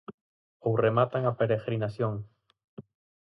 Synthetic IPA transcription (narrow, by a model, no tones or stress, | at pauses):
owremat̪aŋapeɾeɣɾinasjoŋ